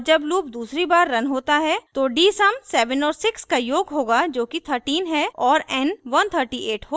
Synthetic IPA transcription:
d͡ʒɐbluːpd̪uːsɾibaːɾːɐnɦoːt̪aɦɛt̪oɖiːsɐmsɛːʋə̃nɔːɾsɪkskajoːɡɦoːɡad͡ʒoːkit̪ʰəɾʈiːnɦɛɔːɾɛnʋɐnt̪ʰəɾʈiʔeːʈɦoː

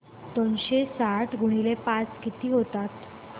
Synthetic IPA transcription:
t̪ənɕesaʈʰɡʱuɽ̃ilepat͡skit̪iːɦot̪at̪

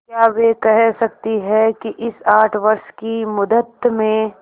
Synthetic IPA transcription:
kjaːʋekɛɦsɐk̚t̪iɦɛkiʔɪsaːʈʰʋɐɾʃkimʊd̪ət̪mẽ

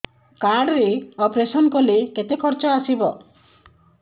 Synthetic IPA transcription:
kaɖɾeɔpɾesɔnkɔleket̪ekʰɔɾt͡ʃɔasibɔ

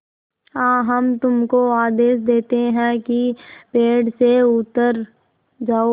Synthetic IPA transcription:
hãːɦɐmt̪ʊmkoaːd̪eːʃd̪eːt̪eɦɛ̃kipeːɖseʊt̪ːəɾ | d͡ʒaːo

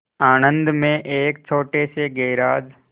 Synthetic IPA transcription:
aːnə̃nd̪mẽʔeːk̚t͡ʃʰoːʈeseɡeːɾaːd͡ʒ

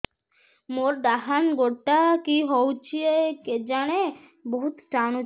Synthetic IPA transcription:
moɾɖ̪aɦanɡoʈːakiɦowt͡ɕʰieked͡ʑaɽ̃e | boɦut̪st̪ʰano

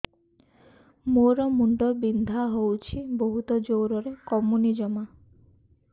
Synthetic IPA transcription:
moɾɔmuɳɖɔbind̪ʱaɦowt͡ʃʰiboɦut̪ɔd͡ʒowɾɔɾekɔmunid͡ʒɔma

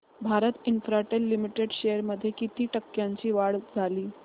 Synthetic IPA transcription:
bʱaɾət̪infɾaʈelːimiʈeɽɕejəɾməd̪ʱːjekit̪iːʈəkːjaɲt͡ɕiːʋaɽd͡zʱaliː

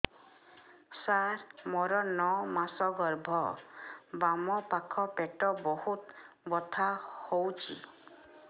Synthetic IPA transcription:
saɾmɔɾɔnɔmasɔɡɔɾbʱɔ | bamɔpakʰɔpeʈɔbɔhut̪ | bɔt̪ʰahowt͡ʃʰḭ

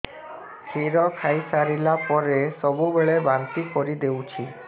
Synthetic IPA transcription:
kʰiɾɔkʰajsaɾilapɔɾesɔbubeɭebant̪ikɔɾid̪ewt͡ʃʰi

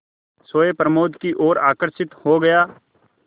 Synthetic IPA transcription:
soːepɾəmoːd̪kiʔoːɾaːkəɾʃɪt̪hoɡɐjaː

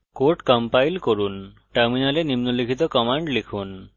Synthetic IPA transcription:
koɾʈkɔmpajlkɔɾun | ʈaɾminalenimnulikʰit̪̬ɔkɔmaɳɖlikʰun

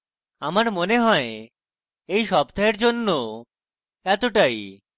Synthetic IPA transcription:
amaɾmoneɦɔe | ejʃɔbd̪ʱaeɾd͡ʑonːo | ɛt̪oʈaj

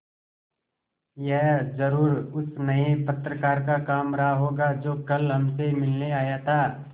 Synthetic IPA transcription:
jɛɦzəɾuːɾʊsnɐepɐt̪ɾəkaːɾkakaːmɾaːɦoːɡad͡ʒoːkɐlɦɐmsemɪlneaːjat̪ʰaː

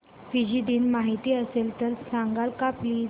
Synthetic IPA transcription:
fid͡ʑiːd̪iːnmaɦit̪iːəselt̪əɾsãŋɡalkapliː

